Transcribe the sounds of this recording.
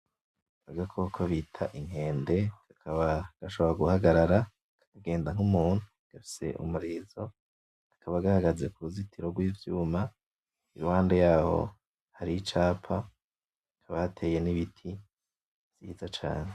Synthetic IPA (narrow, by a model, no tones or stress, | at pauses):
aɡakʰokʰoβitʰaʔiŋ̥he̞ːnde̞ɡ̥akʰaβaɡ̥aʃoβoɾaɡuhaɡaɾaɾa | kaaɡe̞ːndaŋ̥umuːn̥u | ɡ̥afi̥se̞̰ʔṵmuɾiːzo̞ | akʰaβaɡahaɡaze̞kuuzitʰiɾo̞ɡwiːvjuːma | iɾuwaːndejaːho̞̰ | haɾiit͡ʃaːpʰa | kʰaβahatʰe̞je̞niβitʰi̥ | z̥iːzat͡ʃa̰ːne